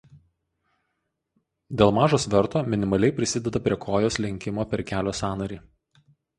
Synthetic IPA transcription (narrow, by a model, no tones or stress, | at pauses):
d̪ʲeːlˠmɑːʒoːsʋʲɛɾt̪oːmʲɪnʲɪmɐlʲɛɪpʲɾʲɪsʲɪd̪ʲɛd̪ɐpʲɾʲiɛkʰoːjoːslʲɪŋʲkʲɪmoːpʲɛɾkʲæːlʲoːsɑːnɐɾʲiː